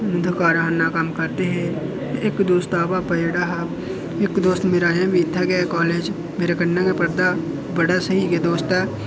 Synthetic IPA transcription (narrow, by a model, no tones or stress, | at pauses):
nʊd̪ʱkaːɾaɦnːakɐmkəɾt̪eɦɛ̃ | ɪkd̪oːst̪aːbapəeːɽaɦː | ɪkd̪oːst̪meːɾaːãbiɪt̪ʰːɛɡɛkɔːleːd͡ʒ | meːɾekənːãkepəɾd̪a | bəɽasəɦiked̪oːst̪ɛː